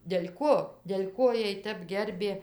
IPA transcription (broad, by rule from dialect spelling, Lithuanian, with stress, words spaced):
dʲɛlʲ ˈkoː dʲɛlʲ ˈkoː ˈjiɛj ˈtʲɛp ˈɡʲɛrʲbʲeː